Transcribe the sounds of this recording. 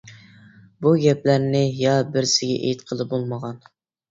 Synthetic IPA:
buɡʲɛplæɾnɪjɑbɪɾsɪɡʲɛ̰ʔḛjt̪qʰəlˠɨp̚bolˠməʁɑn

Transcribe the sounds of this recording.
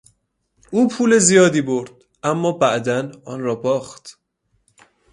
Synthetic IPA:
ʔuːpʰuːle̞zijɒːd̪iːboɾd̪̥̚ | ʔæmːɒːbæʔd̪ænɒːnrɒːbɒːxt̪

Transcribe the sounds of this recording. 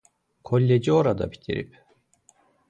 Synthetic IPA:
kʰo̞lʲːed͡ʒio̞ɾad̪a̰bi̥t̪ʰḭɾḭp

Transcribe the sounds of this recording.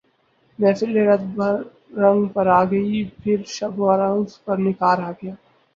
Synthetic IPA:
mɛ̃ːfɪlːeɾɐt̪̚bʱɐɾː | ɐ̃ŋɡpɐɾaːɡɐipʰɪɾʃɐbʱoaɾanspɐɾnɪkaːɾɦaɡɐjaː

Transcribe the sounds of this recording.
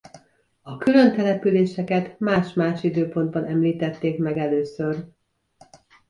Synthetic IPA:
ɒkylø̞nt̪ɛlɛpyleːʃɛkɛt̪maːʃmaːʃid̪øːpo̞nd̪̚bɒnɛmliːt̪ɛt̪ːeːkmɛɡɛløːsør

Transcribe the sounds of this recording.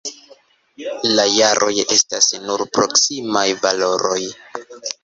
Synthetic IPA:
lajaɾʔo̞je̞stasnuɾpɾo̞ksimajvalo̞ɾo̞j

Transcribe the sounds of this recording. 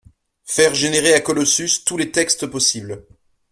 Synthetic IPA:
fɛʁʒeneʁeakɔlɔsyst̪ulet̪ɛkst̪pɔsibl

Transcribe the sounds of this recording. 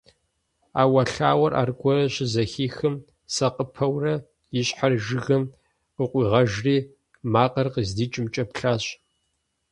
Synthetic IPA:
aːwɐɬaːwɐrʔa̰ːrɡʷɔɾɐɕɪzɐxiːxɨm | sɐqʼəpʰɐwrɐ | jɪɕʼħarʒɨɣɐm | qəqʷʼiːʁɐʒriː | maːqɐrqəzdiːt͡ʃʼɪmt͡ʃʼɐpɬaːɕ

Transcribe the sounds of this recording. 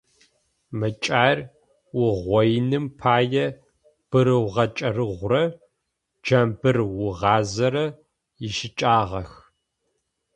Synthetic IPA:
mɨt͡ʃʼaːrʲ | wʊʁʷɔjnɨmpʰaːjɛ | b̥ɨɾɨwʁɐt͡ʃʼɐrɨʁʷrɐ | d͡ʒɐmbɨrwʊʁɑːzɐɾɐ | jɪʃɪt͡ʃʼaːʁɐx

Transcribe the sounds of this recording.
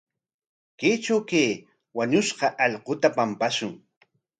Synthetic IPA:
keːt͡ʃawkeː | waɲʊʃɢɑʔɑʎqot̪apampaʃʊŋ

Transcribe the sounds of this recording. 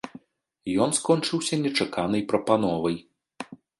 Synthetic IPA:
jɔnskɔnʲt͡ʂɨwsʲɐnʲɛt͡ʂakan̪ɐjpɾɐpanɔvɐj

